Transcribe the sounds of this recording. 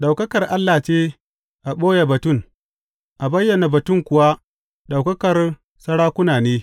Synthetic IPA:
ɗa˨wkɐ˦kɐ˨rʔa˦lːaː˨t͡ʃeː˦ | ʔa˨ɓoː˦ja˨bɐ˨tʊ˦˨ŋ | ʔa˨bɐ˦jːɐ˨naː˨bɐ˨tʊ˦ŋkʷʊ˨wa˦ | ɗa˨wkɐ˦kɐ˨r | sɐ˦ɽaː˦kʷʊ˦naː˨neː˦

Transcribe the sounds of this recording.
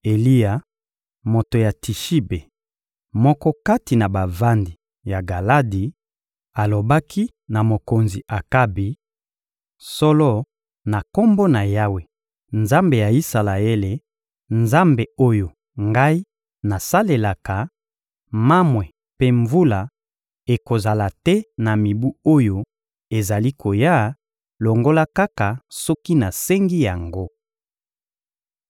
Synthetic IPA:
e˨li˦ja˨ | mo˨to˨ja˨ti˨ʃi˦be˨ | mɔ˦kɔ˦ka˦ti˨na˨ba˨va˦ndi˨ | ja˨ɡa˨la˦di˨ | a˨lo˨ba˦kʰi˦ | na˨mo˨ko˨nzi˨ʔa˨ka˦bi˨ | sɔ˦lɔ˦ | na˨ko˦mbo˦na˨ja˦we˨ | nza˦mbe˨ja˨i˦sa˨la˨e˦le˨ | nza˦mbe˨o˦jo˨ | ŋɡa˦i˦ | na˨sa˦le˨la˨ka˨ | ma˦mwɛ˨ | pe˦ɱvu˦la˨ | e˨ko˨za˨la˨tɛ˦na˨mi˨bu˦o˦jo˨ | e˨za˨li˦ko˨ja˦ | lo˨ŋɡo˦la˦ka˦ka˨sɔ˦ki˦na˨sɛ˦ŋɡi˦ja˨ŋɡo˦

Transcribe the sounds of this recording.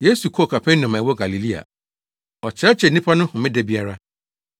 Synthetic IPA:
je˦su˨kʰɔ˦˨kʰa˨pʰɛ̃˦nː˦ʊ̃˨mã˨wɔ˦ɡa˨li˨li˦a̰˨ | ɔ˨t͡ɕʰɪ˨ɾɛ˦t͡ɕʰɛ˨n̩˦nĩ˦pʰa˦nʊ̃˦hʊ̃˨mɪ̃˦dɛ˦bi˦a˦ɾa˦

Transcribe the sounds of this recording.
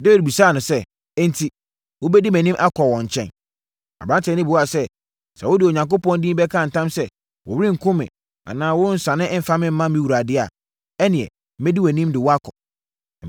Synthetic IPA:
de˦i˨d̚bu˨saː˦˨nʊ̃˨sɛ˦ | ɛ̃˦n̩˦tʰi˨ | wʊ˦bɛ˦di˦mæ̃˨nĩ˦mʔa˦kʰɔ˨wɔ̃˨ɲ̩˨t͡ɕʰɛ̰̃˦n | a̰˨bɾã˦ntʰɛ˨˦nɪ̃˦bu˨wa˨sɛ˦ | sa˨wʊ˦dɪ˨o˨ɲã˨ŋk̬o˦pɔ̃˦n˦dĩ˦bɛ˦kʰã˦˨n̩˨tʰã˦msɛ˦ | wɔ˨wɾĩ˦ŋ̩˨kʰʊ̃˦mɪ̰̃˨ | a̰˨nãː˦wʊ˦n̩˦sã˨nɪ̃˦ʔ̩˦fa˦mɪ̃˦m̩˦mã˦mĩ˦wu˨ɾa˨dɪ˦a˨ | ɛ˦nɪ̃˨ɛ̰˨˦ | mɛ˦di˦wɛ˨nĩ˦mdɪ˨wɔ˦a˦kʰɔ˨

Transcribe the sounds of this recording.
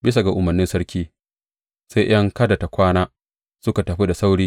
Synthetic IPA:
bɪ˦s̬a˨ɡa˨ʔʊ˨mɐ˨rnɪ˦nsɐ˦ɾkʲiː˦ | sa˦jj̰ʔɐ˦ŋkɐ˦da˨ta˨kʷaː˦naː˦ | sʊ˦ka˨tɐ˨ɸi˦da˨sa˦wɽiː˦

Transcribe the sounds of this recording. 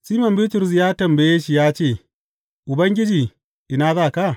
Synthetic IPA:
siː˦mɐ˨mbɪː˦tʊ˨ɾs̬jaː˦tɐ˨mbɐ˨je˦ʃi˨jaː˦t͡ʃeː˦˨ | ʔʊ˨bɐ˦ŋɡʲɪ˦d͡ʒiː˨ | ʔɪ˨na˦zaː˦˨ka˦˨

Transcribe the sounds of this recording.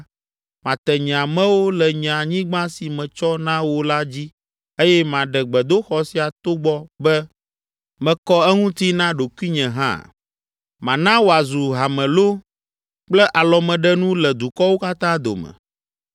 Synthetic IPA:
mã˨t̪ɛ˨ɲɛ̃˨ã˨mɛ̃˦wo˦lɛ˨ɲ˨ã˨ɲĩ˦ɡ͡bã˦si˨mɛ̃˨t͡ʃɔ˦nã˦wo˦la˦d͡ʑi˦ | e˦jɛ˦mã˨ɖɛ˨ɡ͡bɛ˨d̪o˦xɔ˨si˨a˨t̪o˦ɡ͡bɔ˦bɛ˦ | mɛ̃˨kɔ˦ɛ˦ŋũ˦t̪i˦nã˦ɖo˨kwi˦ɲɛ̃˨ɦã̰˦˨ | mã˨nã˦wo˨a˨zu˨ɦa˨mɛ̃˨lo˦ | k͡plɛ˦ʔa˨lɔ˨mɛ̃˨ɖɛ˦nũ˦lɛ˨d̪u˨kɔ˦wo˦ka˦t̪ã˦d̪o̰˨mɛ̰̃˨

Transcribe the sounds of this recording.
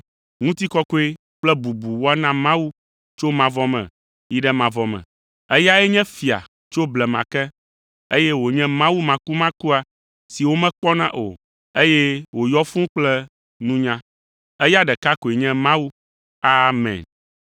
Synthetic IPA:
ŋũ˦t̪i˦kɔ˦ko˦e˦ | k͡plɛ˦bu˨bu˨wɔ˦nã˦mã˦wu˦ | t͡ʃo˦mã˨vɔ˦mɛ̰̃˨ | i˦ɖɛ˦mã˨vɔ˨mɛ̰̃˨ | ɛ˦ja˦ɛ˦ɲɛ̃˦fi˨a̰˨ | t͡ʃo˦blɛ˨mã̰˨kɛ˦ | e˦jɛ˦wo˨ɲɛ̃˦mã˦wu˦mã˨ku˦mã˦ku˦a˨ | si˨wo˦mɛ̃˦k͡pɔ˦nã˦ʔo̰˨ | e˦jɛ˦wo˨jɔ˦fũ˦k͡plɛ˦ | nũ˦ɲã˦ | ɛ˦ja˦ɖɛ˨ka˦ko˨e˨ɲɛ̃˦mã˦wu˦ | a˦mɛ̰̃˨n

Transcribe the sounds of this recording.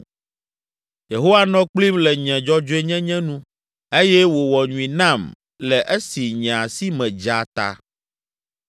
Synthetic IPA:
je˨ɦo˦wa˦nɔ̃˦k͡pli˦mlɛ˨ɲɛ̃˨d͡ʒɔ˦d͡ʒo˦e˦ɲɛ̃˦ɲɛ̃˦nũ˦ | e˦jɛ˦wo˨wɔ˨ɲũ˨ĩ˨nã˦˨m | lɛ˨ʔɛ˦si˨ɲ̃˨ã˨si˦mɛ̃˨d͡ʒa˨t̪a̰˦

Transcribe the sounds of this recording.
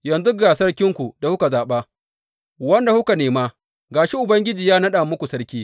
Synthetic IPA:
jɐ˨nzu˦ɡaː˨sɐ˦kʲɪ˦ŋkʷu˨da˨hʊ˦ka˨zaː˨ɓaː˦ | wɐ˦nda˨hʊ˦ka˨neː˨maː˦ | ɡaː˨ʃɪ˦ʔʊ˨bɐ˦ŋɡʲɪ˦d͡ʒiː˨jaː˦nɐ˦ɗaː˨mʊ˦kʷu˨sɐ˦rkʲiː˦

